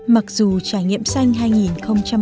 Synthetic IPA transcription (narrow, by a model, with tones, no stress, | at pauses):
ma˨˩k̚zu˨˩t͡ɕaː˧˩jŋḭ˧˨əmsa˧jŋ̟ɦaː˧jŋi˨˩nxə˧wŋ͡mt͡ɕa˧